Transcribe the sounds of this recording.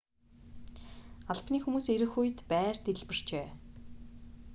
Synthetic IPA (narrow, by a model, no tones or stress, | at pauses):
aɮpniːxumuːseɾɘ̆xujt̪pæːrt̪eɮpɘ̆r̥t͡ɕeː